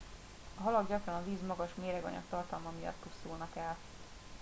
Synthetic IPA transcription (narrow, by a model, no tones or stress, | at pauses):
ɒɦɒlɒɡɟɒkrɒnɒviːzmɒɡɒʃmeːɾɛɡɒ̰ɲɒ̰kt̪ɒrt̪ɒlmɒmijɒ̰t̪ːusulnɒkɛl